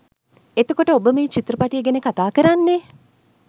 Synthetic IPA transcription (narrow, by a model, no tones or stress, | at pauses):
et̪okoʈəobəmiːt͡ʃit̪rəpaʈijəɡenəkat̪aːkəɾanːe